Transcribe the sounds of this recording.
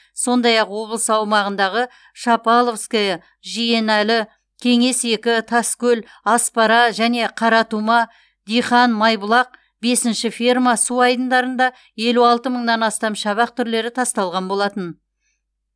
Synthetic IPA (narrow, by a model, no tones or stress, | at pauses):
so̞nd̪ɑjɑqwo̞blˠəsəɑwmɑʁənd̪ɑʁə | ʃɑpɑlˠofskʲej | ʒije̞nælɪ | kʲʰe̞ŋe̞se̞kʲɪt̪ʰɑskʲɵl | ɑspɑɾɑʒæne̞qʰɑɾɑt̪umɑ | d̪ijχɑnmɑjbəlˠɑq̚ | be̞sɪnʃɪfirmɑsuɑjd̪ənd̪ɑɾənd̪ɑ | je̞luɑlˠt̪əməɴnɑnɑst̪ɑmʃɑβɑq̚t̪ʰʏɾle̞ɾɪt̪ʰɑst̪ɑlˠʁɑnbo̞lˠɑt̪ən